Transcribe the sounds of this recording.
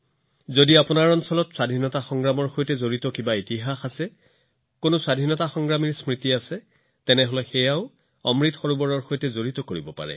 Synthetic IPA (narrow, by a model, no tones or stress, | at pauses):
zodiapʊnaɹɔnsɔlɔtswadʱinɔtaxɔŋɡɹamɔɹxojtɛzoɹitɔkibaitiɦaxasɛ | konoswadʱinɔtaxɔŋɡɹamiɹsmɹitiasɛ | tɛnɛɦɔlɛxɛjaʊ | ɔ̰mɹitxɔɹubɔɹɔɹxojtɛzoɹitɔkoɹibɔpa̰ɹɛ̰